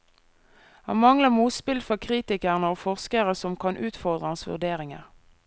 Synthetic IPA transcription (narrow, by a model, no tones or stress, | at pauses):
hɑ̰nmɑŋləmuːt̪spɪlfɔkʰʁiːt̪ɪkəʁnəoːfɔʁskəʁəsɔmkʰɑnʔʉːt̪fɔʁd̪ʁəhɑnsʋʉ̰ʁd̪eːʁɪŋə̰ʁ